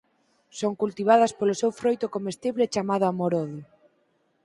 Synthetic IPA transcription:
soŋkult̪iβ̞að̞ɐspolʊsewfɾojt̪ʊkomest̪iβlet͡ʃamað̞ʊamoɾoðjʊ

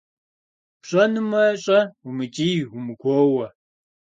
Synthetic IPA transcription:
pɕʼɐnɨmɐɕʼɐumɨt͡ʃʼiːwumɨɡʷoːwɐ

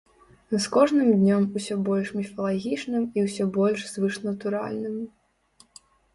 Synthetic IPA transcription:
skɔʐnɨmd̪ʲnʲɔmusʲɔbɔlʲʂmʲifɐlˠaɣʲit͡ʂnɨmiwsʲɔbɔlʲʂzvɨʂnɐt̪uɾa̰lʲnɨm

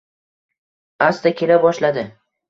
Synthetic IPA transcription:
ast̪akʲʰe̞labɒʃlad̪ɪ

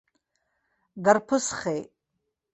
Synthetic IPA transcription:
ɡarpʰɨsχejtʼ

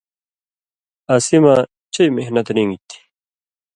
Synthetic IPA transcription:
ɐsimaː | t͡ɕɐjmehnɐt̪ɾĩŋɡit̪ʰːi̥

